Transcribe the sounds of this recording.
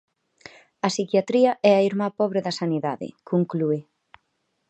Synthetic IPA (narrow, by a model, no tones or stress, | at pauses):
ɐsikjat̪ɾiɐʔɛɐiɾmapɔβ̞ɾɪðɐsaniðaðɪ̰kʰuŋklue